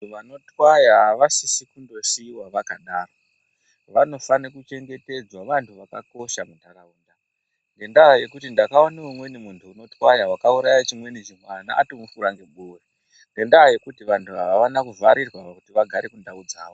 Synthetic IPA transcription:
ʋanotwajaʋasisikundosiwaʋakaɗaːro | ʋano̞fanekut͡ʃe̞ŋɡe̞te̞d͡zwaʋantʰuʋaka̰ko̞ʃamundʱaɾauːnda | ŋɡe̞ndaje̞kutindakaoneumwe̞nimuntʰuːno̞twajawakauɾajat͡ʃimwe̞nit͡ʃimwana̰ːtomufuɾaŋɡeɓuwe | ŋɡe̞ndaje̞kutiʋantʰuɦaʋaʋanakuvaɾirwaakutiʋaɡʱaɾekundaud͡zaːʋo

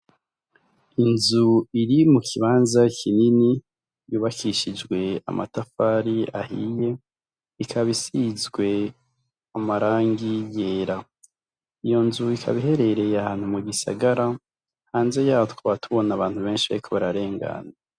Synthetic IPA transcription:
inzuiɾimukʰiβaːnzakʰinini | juːβakʰiʃid͡ʒɡwe̞a̰mʔa̰tafaɾia̰hḭje̞ | ikʰaβisizɡwe̞ | amaɾaːŋɡije̞ːɾa | ijo̞nzuikʰa̰βiɦe̞ɾe̞ɾe̞jahaːn̥humuɡisa̰ɡaɾa | haːnze̞jaːtkoβatʰuβo̞naβaːn̥huβe̞ːnʃiβa̰ɾikʰoβaɾaɾe̞ːŋɡa̰na

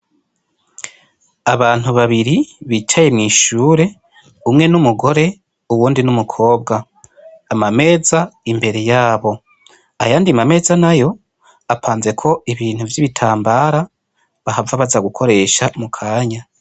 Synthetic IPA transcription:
aβaːn̥huβaβiɾiβiːt͡ʃaje̞mŋiːʃuːɾe̞ | umŋe̞numuɡo̞ɾe̞ | uwuːndinumukʰo̞ːbɡaː | mame̞ːzaimbe̞ɾe̞jaːβo̞ | ajaːndimame̞ːzanajo̞ | apʰaːnze̞kʰo̞iβiːn̥huvjiβitʰaːmbaːɾa | βahavaβazaɡukʰo̞ɾe̞ːʃamukʰaːɲa

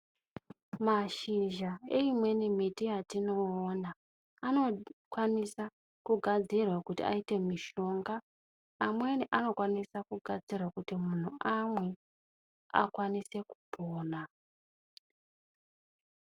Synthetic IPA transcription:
maʃiʒae̞imwe̞nimitijatino̞ːnaː | no̞kwanisa | kuɡʱad͡zirwakutḭa̰ite̞miʃo̞ŋɡaː | mwe̞niʔano̞kwanisakuɡʱad͡zirwakutimun̤uamwe̞ | a̰kwanise̞ku̥pʰoːna

